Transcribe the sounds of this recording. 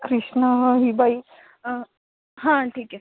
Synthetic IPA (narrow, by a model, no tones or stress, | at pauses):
kɾiʂɳəɦɦiːbʱai | ɦãʈʰiːkɛ